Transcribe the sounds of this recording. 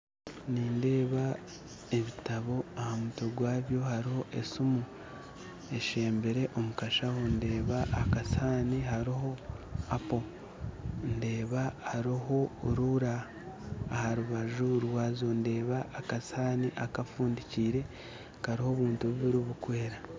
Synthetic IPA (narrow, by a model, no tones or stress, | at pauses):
niːnde̞ːβa | e̞βitaβo̞ahamuto̞ɡwaːβjo̞haɾiho̞ʔe̞sumu | e̞ʃe̞ːmbe̞ɾe̞ʔo̞mukaʃahonde̞ːβaʔːkasaːniɦaɾiɦo̞apo̞ | nde̞ːβahaɾiɦo̞ɾuɾaː | haɾuβaʒuɾwaːzo̞nde̞ːβaːkasaːniʔakafuːndiciːɾe̞ | kaɾiho̞βuːntuβuβiɾiβukwe̞ːɾa